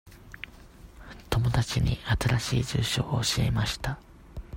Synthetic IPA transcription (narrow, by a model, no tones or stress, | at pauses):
t̪o̞mo̞d̪at͡ɕiɲ̟ḭat̪aɾaɕiːd͡ʑɨːɕo̰ːoɕiḛmaɕi̥t̪a